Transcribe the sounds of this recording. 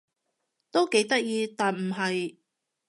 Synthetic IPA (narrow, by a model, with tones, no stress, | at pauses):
t̪o˥wke˨˥jt̪ɐ˥k̚jiː˧t̪aː˨nm̩˨˩ɦɐ˨j